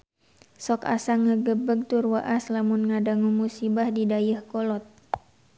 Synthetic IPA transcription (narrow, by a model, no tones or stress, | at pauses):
sɔka̰saŋːəɡəbəɡ̚t̪urwaʔaslamunŋadaŋumusibahdidajəhkɔlɔt̪̚